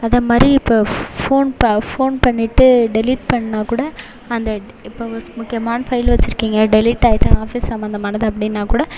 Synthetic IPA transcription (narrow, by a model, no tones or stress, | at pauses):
ɐðɐmaːd̪ɾiɪpːoːfoːnpɐfoːnpɐɳːɪʈːɯɖɛliːʈ̚pɐɳːɐnaːkuːɽɐ | ɐnd̪ɐ | ɪpːoːɔɾɯmʊkːɪjɐmaːnɐfɐɪlʋɐt͡ʃːɪɾɯkːiːŋɡɐɖɛlɪːʈːaːjɪʈːɐ̃aːfisːɐmbɐnd̪ɐmaːnɐðɯɐpːɐɽɪnːaːkuːɽɐ